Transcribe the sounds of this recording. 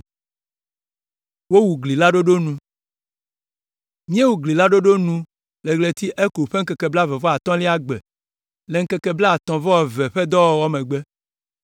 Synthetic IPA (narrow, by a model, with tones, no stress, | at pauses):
wo˦wu˨ɡli˨la˦ɖo˦ɖo˦nũ˦ | mĩ˦e˦wu˨ɡli˨la˦ɖo˦ɖo˦nũ˦ | le˨ɡle˨t̪i˦ʔe˦ko˨ɸe˦ŋ̩˦kɛ˨kɛ˨bla˦vɛ˨vɔ˦a˨t̪ɔ̃˦li˦a˦ɡ͡bɛ˨ | le˨ŋ̩˦kɛ˨kɛ˨bla˦a˨t̪ɔ̃˨vɔ˦wɔ˨vɛ˨ɸe˦d̪ɔ˦wɔ˨wɔ˦mẽ˨ɡ͡bɛ˦